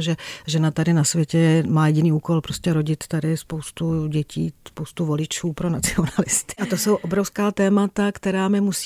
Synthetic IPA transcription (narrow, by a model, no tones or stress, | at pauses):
ʒɛʒɛnat̪adɪnasvjɛcɛmaːjɛɟɪniːuːko̞lpɾoscɛɾoɟɪt̪t̪adɪspo̞wst̪uɟɛcʰiːspowst̪uvo̞lɪt͡ʃuːpɾonat͡sɪonalɪst̪ɪ̥ʔat̪oso̞wʔobɾofskaːt̪ɛːmat̪akt̪ɛɾaːmɪmus